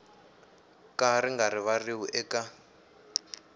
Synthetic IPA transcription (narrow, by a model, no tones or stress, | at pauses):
kariŋɡaɾiβariwuʔɛka